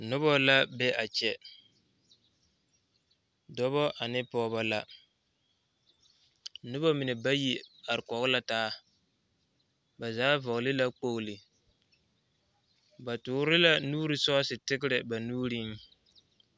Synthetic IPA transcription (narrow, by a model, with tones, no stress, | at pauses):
nʊ˦bɔ˦la˦bɛ˦ʔa˨t͡ʃɛ˨ | dɔ˦βɔ˦ʔa˨nɪ˦pɔː˦ba˦la˦ | nʊ˦bɔ˦mɪ˨nɛ˨ba˦ji˨a˨ɾɪ˨kɔ˨ɣʊ˦la˦taː˦ | ba˨zaː˨˦vɔ˨ɣlɪ˦la˦k͡po˦˨ɣlɪ˨ | ba˨tʊː˨˦ɾɪ˦la˦nuː˦ɾi˨sɔ˦sɪ˨tɪ˦kɪ˦ɾɪ˨ba˨nuː˦ɾi˦ŋ